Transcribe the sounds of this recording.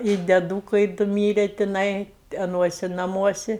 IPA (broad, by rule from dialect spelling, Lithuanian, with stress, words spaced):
ɪ dʲɛˈduːkɐɪ ˈdʊ ˈmʲiːrʲɛ tʲɪˈnɐɪ ɐˈnuɔsʲɪ nɐˈmuɔsʲɪ